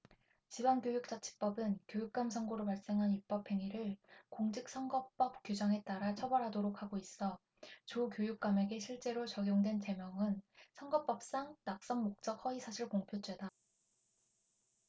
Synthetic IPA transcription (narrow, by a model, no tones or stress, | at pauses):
t͡ɕibaŋkjojuk̚t͡ɕ͈at͡ɕʰi̥p͈ʌbɯnkjojuk̚k͈amsʰʌŋɡoɾopaɭs͈e̞ŋɦanip͈ʌpʰe̞ŋiɾɯɭkoŋd͡ʑik̚s͈ʰʌŋɡʌp͈ʌp̚k͈jud͡ʑaŋe̞t͈aɾat͡ɕʰʌbʌɾɦadoɾok̚ʰhaɡois͈ʌ | t͡ɕukjojuk̚k͈ame̞ɡe̞ɕʰiɭt͡ɕ͈e̞ɾot͡ɕʌɡjoŋdwe̞nt͡ɕe̞mjʌŋɯnsʰʌŋɡʌp͈ʌp̚s͈aŋtak̚s͈ʌŋmok̚t͡ɕ͈ʌk̚hʌisʰaɕʰiɭkoŋpʰjot͡ɕ͈ʰwe̞da